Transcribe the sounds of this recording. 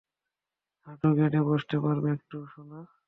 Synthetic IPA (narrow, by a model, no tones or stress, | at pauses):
haʈuɡeʈeboʃt̪epaɾbeek̚ʈuʃona